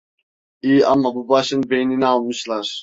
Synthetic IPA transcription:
iːɑ̰mːɑbubɑʃɨnbejninɪɑlˠmɨʃlˠɑɾ

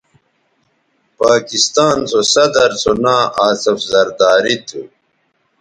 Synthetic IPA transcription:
paːkist̪aːnt͡sʰosɐd̪ɐɾt͡sʰonaːʔaːsɐfzɐɾd̪aːɾit̪ʰu

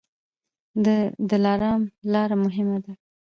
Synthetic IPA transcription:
d̪əlɑɾɑmlɑɾamʊɦɪmad̪a

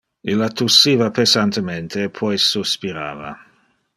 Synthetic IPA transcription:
ilat̪usːiːvapesant̪ement̪ʰeːpʰɔjsuspiɾa̰ːva̰

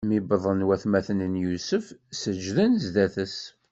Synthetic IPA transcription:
mibəðˤənwæθmæθənənjusəfsəd͡ʒðənzd̪æθəs

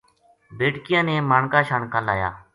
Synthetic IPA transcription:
beːʈkɪjãːneːmaːɳkaːʃaːɳkãːlaːja̰ː

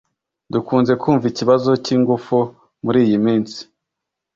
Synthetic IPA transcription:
dukuːnze̞kʰuːɱviciβazo̞ciːŋɡufu | muɾiːjimiːnsi̥

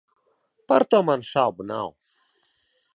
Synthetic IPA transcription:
pɐɾt̪amanʃabuna̰w

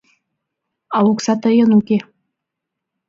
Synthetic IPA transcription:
ɑuksɑt̪ɤjɤ̆nuke

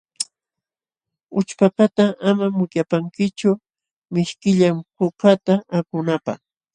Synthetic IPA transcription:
ʊt͡ʃpakat̪aamamʊkjapaŋkɪt͡ʃʊ | mɪʃkɪʎamhʊkat̪aakʊnapa̰χ

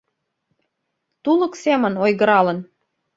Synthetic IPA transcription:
t̪ulə̆ksemə̆nojɣə̆ɾɑlə̆n

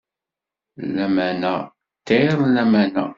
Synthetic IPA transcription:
læmænæ̰ | t̪ːeɾˤlæmænæ̰

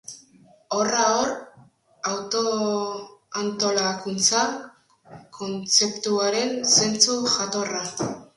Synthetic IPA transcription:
o̞raor | awt̪o̞ | ant̪o̞lakunt͡sa | kʰo̞nt͡se̞pt̪uaɾe̞nse̞nt͡suʝat̪o̞ra

